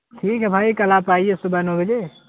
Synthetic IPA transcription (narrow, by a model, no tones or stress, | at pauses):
ʈʰikɦɛbʱajkəlapaiesubanobəd͡ʒe